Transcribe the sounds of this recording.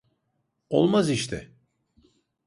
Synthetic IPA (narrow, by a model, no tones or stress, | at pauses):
o̞̰lˠmaziʃt̪ʰɪ̰